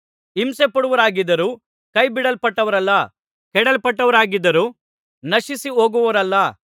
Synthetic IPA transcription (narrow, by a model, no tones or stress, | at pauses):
imsepɐɽuʋɐɾaːɡid̪ːɐɾuː | kɐjbiɽɐlpɐʈːɐʋɐɾɐlːɐ | kɛɽɐlpɐʈːɐʋɐɾaːɡid̪ːɐɾuː | nɐʃisiɦo̞ːɡuʋɐʋɐɾɐlːɐ